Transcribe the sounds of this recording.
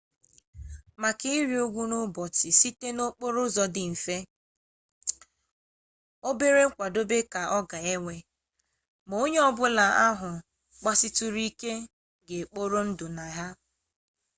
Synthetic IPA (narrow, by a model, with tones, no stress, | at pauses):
ma˨kɪ˦i˦ɾi˨o˦ɡʷu˦no˦bɔ˨tɪ˨si˦te˦no˦k͡po˦ɾʊ˦zɔ˦dɪ˨m̩˨fe˦ | o˦be˦ɾe˦kʷa˨do˦be˦ka˨ʔɔ˦ɡa˨e˦ŋʷe˨ | mo˦ɲe˦ɔ˦bʊ˦la˨a˦ɦʊ˨ | k͡pa˦sɪ˦tu˦ɾi˦ke˦ | ɡe˨k͡po˦ɾo˦n̩˦dʊ˨na˨ɦa˦